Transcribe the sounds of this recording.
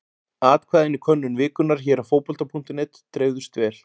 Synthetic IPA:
aːt̪̚kʰvaːðɪnikʰvœnːʏnvɪːkʏnaɾ̥çɛːɾafoːwpɔlt̪apʰun̥t̪ɪnɛt̪t̪ːɾeːɥwðʏst̪vɛːl̥

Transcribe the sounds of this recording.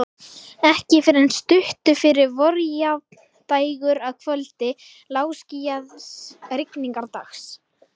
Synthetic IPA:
ɛhcɪfɪɾɾɛnst̪ʏht̪ʏfɪɾɪɾvɔɾja | t̪aːjɣʏɾaðkʰvœlt̪ɪ | laːwscijaðɾɪkniŋkaɾt̪axs

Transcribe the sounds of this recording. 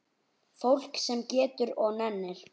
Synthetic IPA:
fowl̥ksɛmcɛːt̪ʏɾɔɣnɛnːɪɾ̥

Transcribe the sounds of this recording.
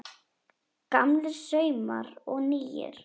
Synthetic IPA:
kamlɪɾsœːɥmaɾɔɣniːjɪ̰ɾ̥

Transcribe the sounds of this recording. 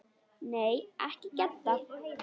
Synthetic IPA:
neːjɛ̰hcɪcɛt̪ːa

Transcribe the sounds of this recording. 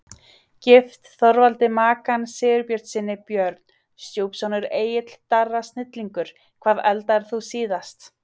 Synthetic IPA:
cɪft̪θɔɾvalt̪ɪmaːkansɪːʏɾpjœɾ̥t̪sɪnːɪpjœɾt̪n | st̪jowpsɔnʏɾeːjɪt̪l̥t̪arːast̪nɪt̪liŋkʏɾ̥ | kʰv̥aːðɛlt̪aɛɾ̥θusiːðast̪

